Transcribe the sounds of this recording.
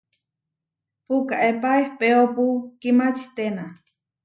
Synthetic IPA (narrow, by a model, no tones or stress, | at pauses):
pukaʔepaehpeopukimat͡ʃit̪ena